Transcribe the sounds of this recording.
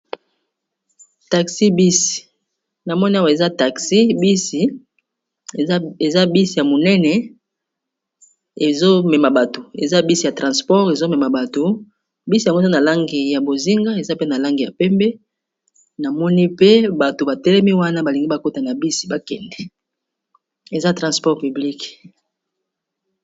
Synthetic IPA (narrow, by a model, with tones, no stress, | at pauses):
ta˨ksi˦bi˦si̥˨ | na˨mɔ˦ni˦a˦wa˨e˨za˦ta˨ksi˦bi˦si˨ | e˨za˦bi˦si˨ja˨mo˨nɛ˦nɛ˨ | e˨zo˦mɛ˨ma˨ba˨to˨e˨za˦bi˦si˦˨ja˨tʁã˨spɔ˦ʁe˨zo˦mɛ˨ma˨ba˨to˨ | bi˦si˨jŋɡza˦na˨la˦ŋɡi˨ja˨bo˨zi˦ŋɡa˦e˨za˦pe˦na˨la˦ŋɡi˨ja˨pɛ˦mbɛ˦ | na˨mɔ˦ni˦pe˦ba˨to˨ba˨tɛ˦lɛ˦mi˦wa˦na˦ba˨li˨ŋɡi˦ba˨ko˦ta˨na˨bi˦si̥˦ba˨kɛ˨ndɛ˨ | e˨za˦tʁɑ̃˨spɔ˦ʁpy˨bli˦k